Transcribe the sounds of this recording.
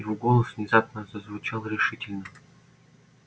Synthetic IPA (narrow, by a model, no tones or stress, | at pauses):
ɾuɡolˠəsv̥nʲɪzapnəzəzvʊt͡ɕalˠɾʲɪʂɨtʲɪlʲnə